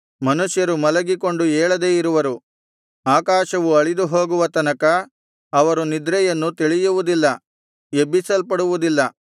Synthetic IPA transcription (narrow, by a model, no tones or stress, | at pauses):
mɐnuʂjɐɾumɐlɐɡiko̞ɳɖuɛːɭɐd̪e̞ːiɾuʋɐɾu | aːkaːʃɐʋuɐɭid̪uɦo̞ːɡuʋɐt̪ɐnɐkɐː | ʋɐɾunid̪ɾɛjɐnːut̪iɭijuʋud̪ilːɐ | ebisɐlpɐɽuʋud̪ilːɐ